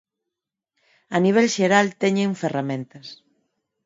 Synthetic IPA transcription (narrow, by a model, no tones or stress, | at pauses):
aniβ̞ɛlʃeɾalt̪ɛɲẽɱferamẽnt̪ɐs